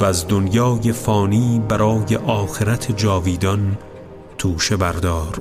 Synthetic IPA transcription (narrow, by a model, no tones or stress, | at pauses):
væːzd̪onjɒːje̞fɒːniːbæɾɒːje̞ʔɒːxe̞ɾæt̪ʰe̞d͡ʒɒːviːd̪ɒn | t̪ʰuːʃe̞bæɾd̪ɒːɾ